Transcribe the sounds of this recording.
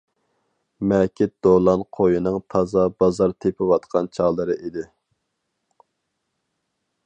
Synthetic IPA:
mɛkʲɪt̪̚d̪̥olˠɑnqʰojinɨŋt̪ʰɑzɑbɑzɑɾt̪ʰepʰɪwɑt̪qʰɑnt͡ʃʰɑlˠəɾɨʔid̪ɪ

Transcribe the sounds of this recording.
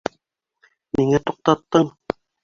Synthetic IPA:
miŋæt̪uq̚t̪ɑt̪ːɤɴ

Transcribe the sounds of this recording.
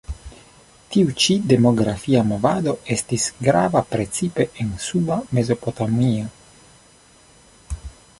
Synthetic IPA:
tiut͡ʃide̞mo̞ɡɾafiamo̞vado̞e̞stisɡɾa̰vapɾe̞t͡sipe̞ʔensubame̞zo̞po̞tamia

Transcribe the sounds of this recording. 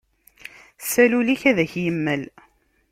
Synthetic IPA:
sæluliçæðæçjəmːəl

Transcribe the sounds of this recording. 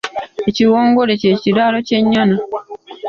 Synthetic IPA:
eciwoːŋɡoɾececiɾaɾoceɲːana

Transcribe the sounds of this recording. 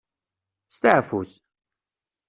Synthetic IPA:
st̪əʕfuθ

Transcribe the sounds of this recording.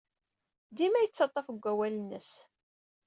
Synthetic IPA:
d̪imæjət͡sːɑt̪ˤːɑfəɡʷːæwælənːəs

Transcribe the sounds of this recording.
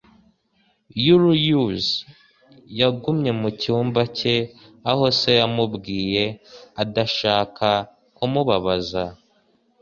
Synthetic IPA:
juɾujuz | jaɡumɲe̞mucuːmbace̞ | aho̞se̞jamubɡiːje̞adaʃaːka | kumuβaβaza

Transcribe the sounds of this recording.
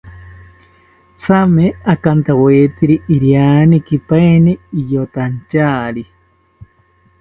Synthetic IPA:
t͡sʰameakant̪aweːt̪iɾiʔiɾjaːnikipaeniːjot̪ant͡ʃaːɾi

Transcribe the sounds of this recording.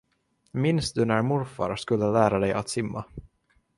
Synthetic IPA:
mɪnst̪̚d̪ɵnæɾmʊɾfa̰ɾaskɵlːəlæːɾad̪ɛjʔa̰t̪sɪmːa

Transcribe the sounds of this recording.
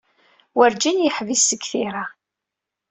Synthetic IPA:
wəɾd͡ʒinjəħvisːəɡθiɾa

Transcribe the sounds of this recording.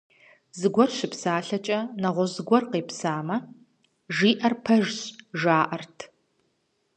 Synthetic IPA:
zɨɡʷɔrʃɪpsaːɬɐt͡ʃʼɐnɐʁʷɔzɡʷɔrqeːpsaːmɐ | ʒiːʔɐrpʰɐʒɕʒaːʔɐrtʰ

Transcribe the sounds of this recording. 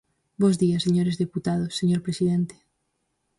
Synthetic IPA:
bozðiaseɲoɾezðeput̪að̞osːeɲoɾpɾesiðent̪e̥

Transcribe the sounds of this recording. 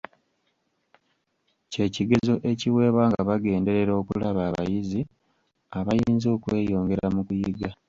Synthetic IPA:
ce̞ciɡe̞zo̞ʔe̞ciwe̞ːβwaːŋɡaβaɡe̞ːnde̞ɾe̞ɾo̞ːkulaβaːβa̰jizi | aβajiːnzo̞ːkwe̞ːjo̞ːŋɡe̞ɾamukujiɡa

